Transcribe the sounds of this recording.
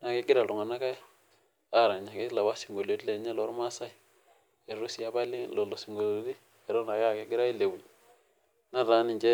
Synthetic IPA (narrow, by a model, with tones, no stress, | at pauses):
na˨ki˦ɡi˦ɾa˨lo˨ŋa˨na˦ka˦ | a˦˨ɾa˨ɲa˨ki˦la˨wa˦si˨ŋɡo˨lo˨˦di˦le˨˦ɲɛ˦lɔ˦ɾma˦sa˦i˦ | e˨ɾu˦si˦ja˦ba˦li˦ŋlo˨lo˨si˨ŋɡo˨lo˨˦di˦ | e˨ɾo˦na˨ka˦˨ke˦ɡi˦ɾa˦i˦le˨wu˨l | na˦ɾa˦ni˨ɲd͡ʒe˦